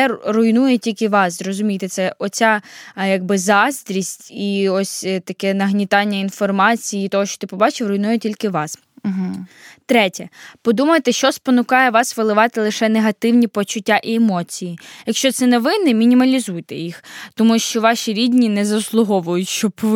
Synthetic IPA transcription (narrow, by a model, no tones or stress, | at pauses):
ɛrʊjnujɛtʲilʲkɪʋɑszɾrɔzʊmʲijt̪ɛt̪sɛʔɔt͡sʲajɐɡ̚bɪzɑst̪ʲɾʲisʲtʲiɔsʲt̪ɐkɛnɐɦnʲit̪ɑnʲːɐinfɔrmɑt͡sʲijiːt̪ɔɦɔʃt͡ʃɔ̥t̪ɪpɔbɑt͡ʃɪwɾʊjnujɛtʲilʲkɪʋɑs̩ | ɦ̩t̪ɾɛtʲɐpɔd̪umɐjt̪ɛʃt͡ʃɔspɔnʊkɑjɛʋɑsʋɪlˠɪʋɑt̪ɪlˠɪʃɛneɦɐt̪ɪwnʲipɔt͡ʃʊtʲːaʔiemɔt͡sʲijijɐkʃt͡ʃɔt̪sɛnɛʋɪnɪmʲinʲimɐlʲizujt̪ɛjixt̪ɔmuʃt͡ʃɔʋɑʃiɾʲidʲnʲinɛzɐslˠʊɦɔʋʊjʊtʲʃt͡ʃɔb